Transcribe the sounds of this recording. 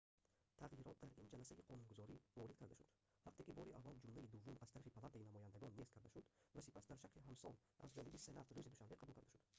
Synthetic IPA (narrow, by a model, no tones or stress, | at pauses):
t̪ʰaʁjiɾɔt̪̚d̪aɾind͡ʒalasaiqʰɔnunɡuzɔɾivɔɾid̪̚kʰaɾd̪aʃud̪ | haqt̪ekibɔɾiʔavːald͡ʒumlaid̪uvːumaz̥t̪aɾafipʰalat̪ainamɔjand̪aɡɔnːestkʰaɾd̪aʃud̪̥vasi̥pasd̪aɾʃaqliɦamsɔ̰lʔa̰zd͡ʒɔnibise̞nat̪rɾuzid̪uʃanmbe̞qʰabulˠkʰaɾd̪aʃud̪̥